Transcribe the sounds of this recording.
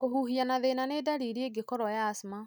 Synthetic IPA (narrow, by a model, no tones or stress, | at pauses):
koɦuɦianaðenanedaɾiɾeeɡekɔɾɔjaːsma